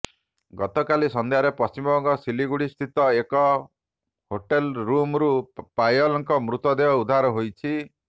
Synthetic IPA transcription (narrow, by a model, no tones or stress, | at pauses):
ɡɔt̪ɔkalisɔnd̪eɦaɾepɔst͡ʃimɔbɔŋkɔsiliɡuɽist̪ʰit̪ɔekɔ | hoʈelɾumɾupajɔlɔŋkɔmɾut̪ɔd̪eɔud̪ʱaɾɔɦojt͡ʃʰi